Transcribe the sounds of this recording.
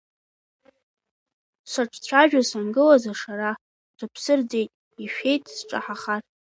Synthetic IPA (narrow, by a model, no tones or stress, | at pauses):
sʷaʈ͡ʂʰʼt͡ɕʷʰaʒᶣasanɡɨlazaʂaɾa | dʷʰapʰsɨrd͡ze̞jtʼ | iʃᶣe̞jtʼsʈ͡ʂʼa̰ħaχar